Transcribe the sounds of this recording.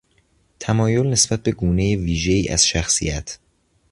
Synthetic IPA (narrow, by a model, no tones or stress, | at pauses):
t̪ʰæmɒːjo̞lne̞sb̥æt̪̚be̞ɡuːne̞jeviːʒe̞iːʔæ̰z̥ʃæxsḭjæt̪ʰ